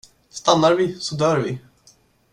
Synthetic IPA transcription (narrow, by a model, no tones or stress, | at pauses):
st̪anːaɾvɪsɔd̪œːɾvɪ̰